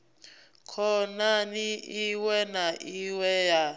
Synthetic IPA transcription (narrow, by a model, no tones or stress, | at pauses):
kʰɔnaniiwɛnaʔiwɛja